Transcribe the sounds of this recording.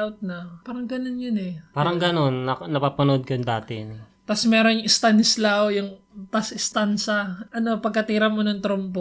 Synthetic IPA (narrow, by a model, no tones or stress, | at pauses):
awt̪̚nɐpaːɾɐŋɡɐnonjʊnɛpaːɾɐŋɡɐno̞nːɐnɐpaːpɐnoʔod̪̚kɐjŋd̪aːt̪ɪn | t̪ɐsmɛːɾonŋɪst̪anɪslawjʊŋ | t̪ɐsʔɪst̪ansɐʔɐno̞pɐɡ̚kɐt̪iːɾɐmonɐŋt̪ɾompo